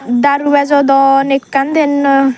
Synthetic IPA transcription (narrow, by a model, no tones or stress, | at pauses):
d̪aɾubɛzɔd̪ɔnekːand̪en